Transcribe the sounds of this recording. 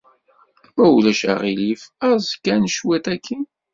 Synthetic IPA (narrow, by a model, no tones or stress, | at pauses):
mæwlæʃæ̰ʁilifæzkːænʃwæt̪ækʰːi